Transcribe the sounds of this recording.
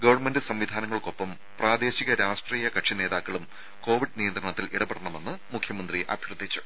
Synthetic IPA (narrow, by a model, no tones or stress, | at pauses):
ɡɐʋɐrɳmendɨsɐmʋid̪ʱaːnɐŋːɐɭko̞pːɐm | praːd̪e̞ːɕiɣɐɾaːʂʈriːjɐkɐʈʂine̞ːðaːkːɐɭum | ko̞ːʋiɖnijɐnd̪rɐɳɐt̪ːiliɽɐpeɽɐɳɐme̞nːɨmukʰjɐmɐnd̪riʔɐ̰bʱjrɨd̪ʱːit͡ɕːu̥